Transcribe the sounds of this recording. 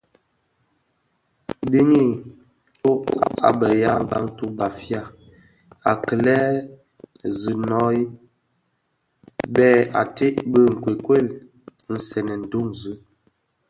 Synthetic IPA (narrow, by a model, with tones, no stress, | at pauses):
di˦ŋi˦ | to˦a̰˨bə˨ja˦m˦ba̰˦ŋ˦tu˦ba˨fja˦˨ | a˨kə˨lɛ˦ | zi˨nɔ˨˦i˦ | bɛ˦˨a̰˨te˦ʔbə˦ŋ̩˨kwe˨kwe˦˨l | n̩˦sɛ˨nɛ˨n̩˨du˦˨mzɨ˦